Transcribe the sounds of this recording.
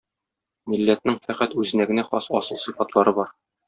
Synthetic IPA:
milːæt̪̚nɘŋfæqæt̪ʉzɘ̆næɡɘ̆næχɒsɒsɤlˠsɤfɑt̪lˠɑɾɤbɒɾ

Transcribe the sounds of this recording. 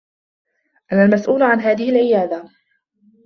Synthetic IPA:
ʔanalmasʔuːlʕanɦaːðɪhɪlʕɪjaːd̪a

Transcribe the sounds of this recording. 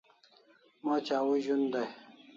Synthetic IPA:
mot͡ɕaːwuʑund̪aj

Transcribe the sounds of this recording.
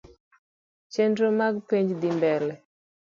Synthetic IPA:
t͡ʃɛndomaɡpeɲd͡ʒd̪imbɛlɛ

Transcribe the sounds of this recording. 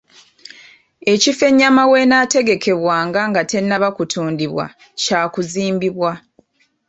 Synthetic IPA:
e̞cife̞ɲːamawe̞naːte̞ɡe̞kʰe̞βwaːŋɡaŋɡate̞nːaβakutʰuːndiβwa̰ | caːkuziːmbiβwa

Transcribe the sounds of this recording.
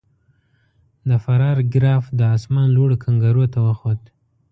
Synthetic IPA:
d̪əfaɾɑɾɡɾɑfd̪əɑsmɑnloɽokʰaŋɡaɾot̪awəxod̪

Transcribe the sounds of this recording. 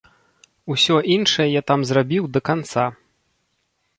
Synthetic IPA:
usʲɔʔinʂɐjɛjat̪amzrabʲiwd̪ɐkant̪sa

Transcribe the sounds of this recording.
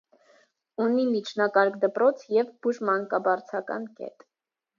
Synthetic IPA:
unimit͡ʃʰnɑkɑɾkd̪əpɾɔt͡sʰjɛvbuʒmɑŋkɑbɑɾt͡sʰɑkɑ̰nkɛ̰t̪

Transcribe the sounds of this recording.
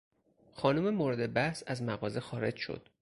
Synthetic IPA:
xɒːnume̞moɾed̪e̞bæhsæzmæɣɒːze̞xɒːɾe̞d͡ʒʃo̰d̪̥

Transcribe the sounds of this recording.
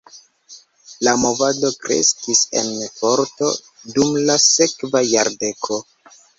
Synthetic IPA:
lamo̞vado̞kɾḛskise̞̰npo̞ɾto̞ | dumlase̞kvajaɾde̞kʰo̞

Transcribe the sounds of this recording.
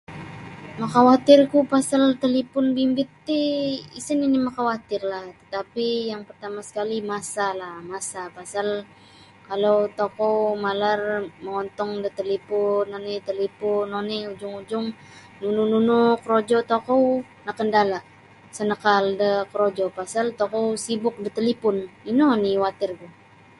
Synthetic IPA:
makawat̪ɪrkupasalt̪əlipʊnbimbɪt̪ːiisɪninimakawat̪ɪrlaht̪ə̥t̪apijaŋpərt̪amasə̥kalimasalamasapasal | kalowt̪okɔwmalarməŋɔnt̪ɔŋdət̪əlipʊnːɔnɛt̪əlipʊnɔnɛud͡ʒʊŋud͡ʒʊŋ | nunununukəɾod͡ʒɔt̪okɔw | nakəndalaʔ | sənəkaldəkəɾod͡ʒɔpasalt̪okɔwsibʊk̚dət̪əlipʊninoniwat̪ɪrɡu

